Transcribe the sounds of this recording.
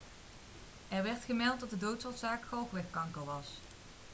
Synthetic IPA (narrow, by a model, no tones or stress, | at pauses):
ɛɹʋɛɹtχəmɛlˠt̚dɑt̚dədowtsɔtsaːkχɔlˠχʋɛχkɑŋkəlʋɑs